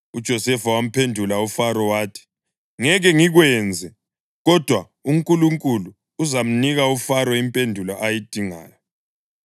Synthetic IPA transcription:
ud̥ʒ̥ʱɔsɛfawam̩pʰendʱulaufaɾɔwaːtʰi̥ | ŋɛɣɛŋiɣwɛnd͡zʱɛ | ɣɔd̥ʱwa | umkʼuluŋkʼuluː | zam̩niɣaufaɾɔimpʼendʱulaʔajid̥ʱiŋa̰ːjɔ

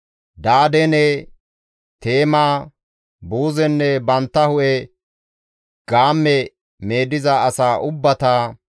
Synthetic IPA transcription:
d̪aːd̪ɛnɛ | t̪e̞ːmaː | buːzɛnːɛbɐnt̪ːɐhʊʔɛ | ɡ̥aːmːɛ | me̞ːd̪ɪzɐːsaːʔʊbːɐt̪a

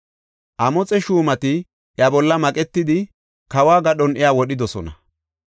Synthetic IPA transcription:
ʔɐmɔt͡sʼɛʃuːmɐt̪ɪ | ʔjɐbɔlːɐmɐkʼɛt̪ːɪd̪ɪ | kɐwaːɡɐɗɔnɛjaːwɔɗɪd̪ɔsɔnɐ

